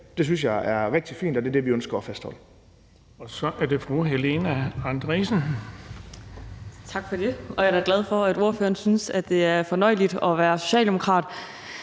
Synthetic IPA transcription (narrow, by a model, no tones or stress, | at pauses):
d̥e̝s̬ynsjɑɪæɐʁɛɡ̥̚d̥ifḭːnd̥ɒd̥e̝de̝ʋiønsɡ̥ɐːfæsd̥hɒ̽l̰ə | ɒ̽sɒ̽ʔæɐde̝fʁuɦelenæɑnd̥ʁisn̩ | t͡sʰɑ̈ɡ̥fɒ̽d̥e̝ɒ̽jɑ̥̈æɡ̥læð̞ˠfɒ̽æd̥o̝ɐfø̰ːɐnsynsæd̥ːe̝æɐfɒ̽nɒ̽ɪ̰lid̥ɒ̽ʋæːɐso̝ɕɛ̰ːld̥emo̝kʰʁɑ̰̈ːd̥